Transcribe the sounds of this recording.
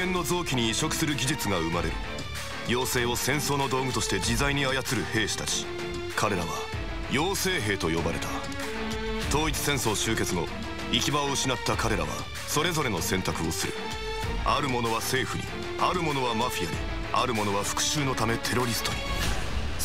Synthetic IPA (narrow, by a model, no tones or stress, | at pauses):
ẽ̞nːo̞zo̞ːkʲiɲ̟iːɕo̞kɯ̟̥sɨɾɯɡʲiʑit͡sɨɡaɯmaɾe̞̰ɾɯ̟̰ | jo̞ːse̞ːo̞sẽ̞ɰ̃so̞ːno̞d̪o̞ːɡɯ̟t̪o̞ɕi̥t̪e̞d͡ʑizaiɲ̟iajat͡sɨɾɯ̟he̞ːɕi̥t̪at͡ɕi̥ | kʰaɾe̞ɾaβa̰ | jo̞ːse̞ːɦe̞ːt̪o̞jo̞baɾe̞̰t̪a | t̪o̞ːit͡sɨ̥sẽ̞ɰ̃so̞ːɕɨːke̞t͡sɨno̞ | ikʲibaoɯ̟ɕinat̪ːakaɾe̞ɾa̰βa̰ | so̞ɾe̞zo̞ɾe̞no̞sẽ̞nt̪akɯ̟o̞sɨɾɯ̟̰ | aɾɯ̟mo̞no̞β̞ase̞ːɸɯ̟ɲḭ | aɾɯ̟mo̞no̞β̞amaɸʲija̰ɲ̟ḭ | aɾɯ̟mo̞no̞β̞aɸɯ̟̥kɯ̟̥ɕɨːno̞t̪ame̞t̪ʰe̞ɾo̞ɾʲisɨ̥t̪oɲ̟ḭ